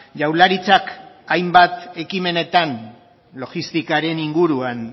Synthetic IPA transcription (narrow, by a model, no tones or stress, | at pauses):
ʝawlaɾit͡sak | ajmbat̪e̞kime̞ne̞t̪an | lo̞ɣist̪ikaɾe̞niŋɡuɾuan